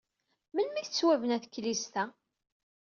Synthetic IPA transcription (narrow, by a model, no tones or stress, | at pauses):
mənmiθt͡sːwævənæθkːlist̪æ